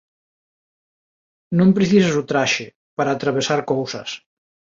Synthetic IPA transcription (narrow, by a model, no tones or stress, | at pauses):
nõmpɾeθisesut̪ɾaʃe | paɾaːt̪ɾaβesaɾkowsɐ̰s